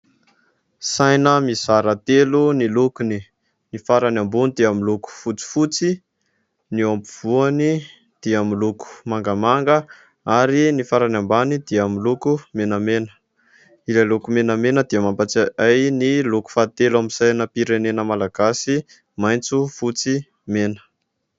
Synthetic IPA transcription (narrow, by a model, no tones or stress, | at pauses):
sajnəmiz̥aɾat̪elunilukuni | nifaɾanambunid̪iamiluku̥fut͡si̥fut͡si | niompuv̥uani | d̪̥iamiluku̥maŋɡamaŋɡə | aɾinifaɾanambanid̪̥iamilukumenəmenə̥ | ilalukumenəmenəd̪̥iamampat͡saajniluku̥fat̪eluamisajnəpiɾenenəmalaɡ̥asi | majnt͡sufut͡si | menə̥